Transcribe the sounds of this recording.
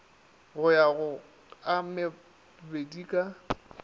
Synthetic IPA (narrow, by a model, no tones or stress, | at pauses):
ɣʊjaɣʊ | amɪ | bediːkʼa